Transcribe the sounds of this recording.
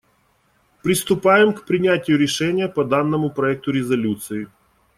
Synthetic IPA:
pɾʲɪst̪ʊpajɪmkpɾʲɪnʲætʲɪjʊɾʲɪʂɛnʲɪjəpɐd̪anːəmʊpɾɐɛk̚t̪ʊɾʲɪzɐlʲut̪sɨɪ

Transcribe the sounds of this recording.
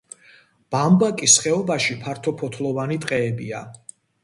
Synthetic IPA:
b̥ambakʼisχɛɔbaʃipʰaɾt̪ʰɔpʰɔt̪ʰlˠɔvanit̪ʼqʼɛːbia

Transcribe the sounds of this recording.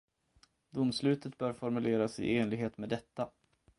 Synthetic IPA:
d̪ʊmːslʉ̟ːt̪ət̪̚bœːɾfɔɾmɵleːɾasɪ̰eːnlɪɡɦeːt̪med̪ɛt̪ːa

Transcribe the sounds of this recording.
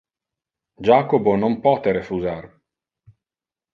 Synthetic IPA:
d͡ʒaːkobonompɔt̪eɾefuzar

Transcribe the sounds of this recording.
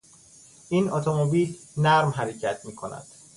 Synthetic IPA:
ʔiːnɒːt̪ʰomobiːl | næɾmɦæɾecʰæt̪ʰmiːkʰo̞næ̰d̪̥

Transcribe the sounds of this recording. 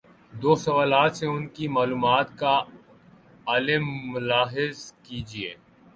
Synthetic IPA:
d̪oːsɐʋaːlaːt̪seʊnkimaːluːmaːt̪ka | aːlɪmːʊlaːɦɪzkiːd͡ʒieː

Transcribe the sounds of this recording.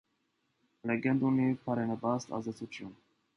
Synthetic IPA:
lɛɡɛnd̪unipʰɑɾɛnɛbɑst̪ɑ̰zd̪ɛt͡sʰut͡sʰjun

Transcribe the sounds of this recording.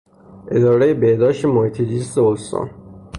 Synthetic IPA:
ʔed̪ɒːɾejebehd̪ɒːʃt̪emohiːt̪ʰezist̪eost̪ɒ̰ːn

